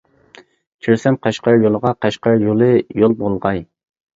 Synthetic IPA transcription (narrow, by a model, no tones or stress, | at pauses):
t͡ʃʲʰyɾsɛmqʰɑʃqɑɾjolˠəʁɑqɑʃqɑɾjolˠɨjolˠbolˠʁɑj